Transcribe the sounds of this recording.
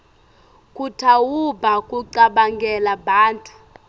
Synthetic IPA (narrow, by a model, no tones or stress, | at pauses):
kʼutʰawubʱakʼuǀaɓaŋɡɛlaɓaːntʼu̥